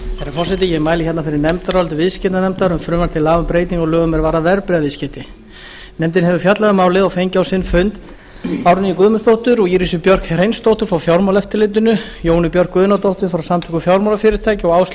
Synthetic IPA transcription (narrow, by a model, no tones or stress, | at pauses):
θaɾaɾfɔrsɛt̪ɪjɛɣmaːjlɪçɛt̪nafɪɾɪɾnɛmt̪aɾɔlt̪ɪvɪðscɛt̪nanɛmt̪aɾʏmfɾʏːmaɾ̥t̪ʰɪlaːvʏmpɾeːjt̪iŋɔɣlœːɣʏmɛɾvaːɾavɛɾpɾɪavɪscɛt̪ɪ | nɛmt̪ɪnɦɛvʏfjat̪laðʏmaːwlɪɔfejɲcawsɪnːfʏnt̪ | awɾʏniikʏðmʏst̪owht̪ʏɾɔɣiːɾisʏpjœr̥krejnst̪owht̪ʏɾ̥fɾawfjawɾmawlɛft̪ɪlɪnt̪ːʏnʏ | joːwnɪpjœr̥kvʏːðʏnat̪owht̪ʏɾ̥fɾawsamt̪ʰɛkʏfjawɾmawlafɪɾɪɾ̥t̪ʰaːjcɪɔɣaːws